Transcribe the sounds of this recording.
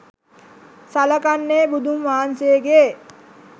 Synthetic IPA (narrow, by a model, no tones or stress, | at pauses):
saləkanːeːbud̪ʱumʋaːnseːɡe